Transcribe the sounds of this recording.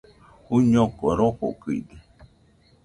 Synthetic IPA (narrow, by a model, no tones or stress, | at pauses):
uɲõkoɾoko̰kɨḭd̪e